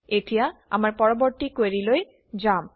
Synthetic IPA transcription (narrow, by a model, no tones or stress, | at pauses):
eʈʰijaa̰maɾpɔɾoboɾʈ̪ikoeɾiloj | d͡ʑam